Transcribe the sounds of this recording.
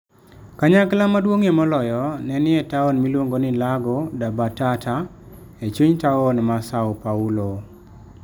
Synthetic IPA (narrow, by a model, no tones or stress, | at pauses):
kaɲaklamadwoŋemɔlɔjɔnɛnɪɛtaonmilwoŋɡonɪlaɡɔdabatatʰa | et͡ʃuɲtaonmasaɔpaulo